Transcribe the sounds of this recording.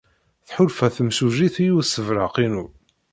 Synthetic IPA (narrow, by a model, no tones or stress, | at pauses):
θħʊlfæθəmsuʒiθijusːəvɾəqinu